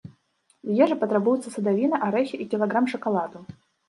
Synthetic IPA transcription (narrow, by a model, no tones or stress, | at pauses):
jɛʐɨpɐt̪ɾabujʊt̪sɐsɐd̪avʲinɐʔaɾɛxʲiʔikʲɪlˠaɡɾamʂɐkalˠad̪ʊ